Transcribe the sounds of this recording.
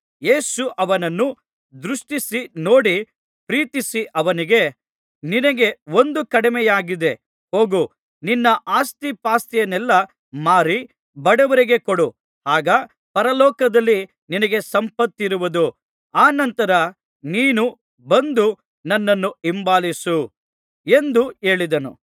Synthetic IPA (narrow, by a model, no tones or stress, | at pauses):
je̞ːsuʔɐʋɐnɐnːu | d̪ɾuʂʈisino̞ːɽi | pɾiːt̪isiʔɐʋɐniɡe̞ | ninɐɡe̞o̞nd̪ukɐɽimɛjaːɡid̪e̞ | ho̞ːɡu | ninːɐʔaːst̪ipaːst̪ɛjɐnɛlːɐ | maːɾi | bɐɽɛʋɐɾiɡe̞koɽu | haːɡɐ | pɐɾɐlɔːkɐd̪ɐlːi | ninɐɡe̞sɐmpɐt̪ːiɾuʋud̪u | aːnɐnt̪ɐɾɐ | niːnu | bɐnd̪u | nɐnːɐnːuimbaːlisu | e̞nd̪ue̞ːɭid̪ɐnṵ